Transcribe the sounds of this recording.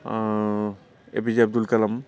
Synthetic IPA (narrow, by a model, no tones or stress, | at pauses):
ḛbizab̚d̪ulkɐlɐm